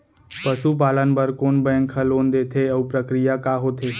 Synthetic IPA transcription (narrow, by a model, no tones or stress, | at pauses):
pəʃup̬aːlənbəɾkoːnbəə̃ŋkʰəloːnd̪eːt̪ʰeəupɾəkɾijakaːɦoːt̪ʰeː